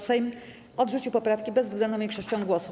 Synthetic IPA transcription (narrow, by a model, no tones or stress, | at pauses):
sɛjm | ʔɔd̪ʐut͡ɕiwpɔpɾafkʲibɛzvɡlɛnd̪ɔ̃mʲjẽkʂɔɕt͡ɕɔ̃w̃ɡwɔsu